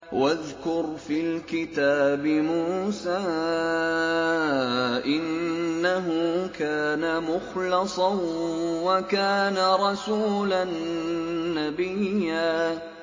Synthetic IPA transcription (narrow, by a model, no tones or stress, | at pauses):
waðkʊɾfilkɪt̪aːbɪmuːsaː | ʔɪnːaɦʊkaːnamʊxlɑsˤɑnwakaːnaɾˤɑsuːlanː | abɪjjːaː